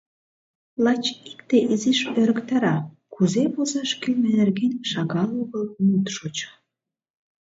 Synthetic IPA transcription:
lɑt͡ɕikt̪eʔiziʃøɾə̆kt̪ɑɾɑ | kuzepozɑʃkylʲmænerɣenʲʃɑɣɑloɣəlmut̪ʃot͡ɕə̥

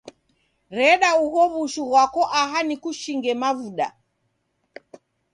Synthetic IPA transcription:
ɾɛɗauɦɔβuʃuɣwakɔʔaɦanikuʃiŋɡɛmavuɗa̰

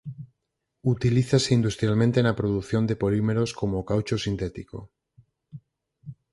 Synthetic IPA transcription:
ut̪iliθaseind̪ust̪ɾjalmẽnt̪enapɾoðuθjo̞nd̪e̞polime̞ɾo̞skomokawt͡ʃosint̪et̪iko̰

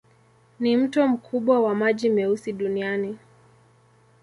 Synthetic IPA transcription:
nim̩tɔm̩kʰuɓwawamaʄimɛusiɗuniani

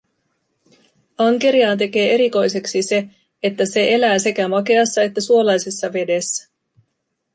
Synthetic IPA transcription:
ɑŋke̞ɾiɑːnt̪̬e̞k̟e̞ːe̞ɾiko̞jse̞ksise̞ | et̪ːæse̞ʔe̞læːse̞kæmɑke̞ɑsːɑe̞t̪ːæsuo̞lɑjse̞sːɑʋe̞de̞sːæ̥

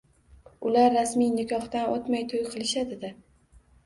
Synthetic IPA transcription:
ʊlaɾːasmijnɪkʰɒht̪anʔot̪majt̪ʰojqʰɨlˠɪʃad̪ɪd̪ɪ

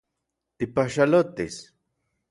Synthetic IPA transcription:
t̪ipaʃalot̪is

